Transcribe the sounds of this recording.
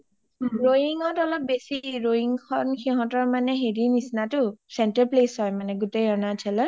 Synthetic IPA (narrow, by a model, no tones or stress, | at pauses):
ɹoiŋɔtɔlɔp̚besiɹoiŋkʰɔnxiɦɔ̃tɔɹmanɛɦeɹinisnatʊsɛntaɹplesɦɔjmanɛɡutejɔnatʰɛlɔ